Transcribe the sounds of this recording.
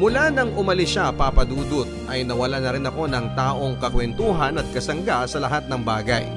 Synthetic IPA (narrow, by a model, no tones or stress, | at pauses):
mʊlanɐŋʊmɐlɪʃapapɐd̪uːd̪ʊt̪̚ʔɐjnɐwɐlanɐɾɪnɐko̞nɐŋt̪aːʔo̞ŋkɐkwɛnt̪uːɦɐnɐt̪̚kɐsɐŋɡasɐlɐɦat̪̚nɐŋbaːɡɐ̰j